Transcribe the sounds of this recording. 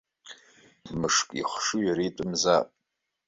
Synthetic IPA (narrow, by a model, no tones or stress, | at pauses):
mɨʂkʼḭχʷʂujaɾitʼɨmzapʼ